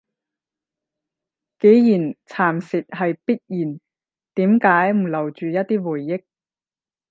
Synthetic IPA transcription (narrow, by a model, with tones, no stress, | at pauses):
ke˨˥jjiː˨˩nt͡sʰaː˨˩msɪ˨t̚ɦɐ˨jpi˥t̚jiː˨˩n | t̪iː˨˥mkaː˨˥jm̩˨˩lɐ˨˩wt͡ʃyː˨jɐ˥t̚t̪iː˥wuː˨˩jːɪ˥k̚